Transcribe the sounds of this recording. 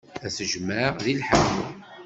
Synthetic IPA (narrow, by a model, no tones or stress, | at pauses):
æsəʒmaʁðilħam